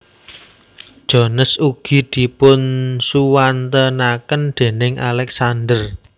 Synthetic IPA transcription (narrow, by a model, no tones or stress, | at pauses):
d̥ʒ̥ɔ̤nəsuɡ̥i̤d̪̥i̤pʊnsuwant̪ənakənd̥e̤nɪŋʔa̰lɛksandər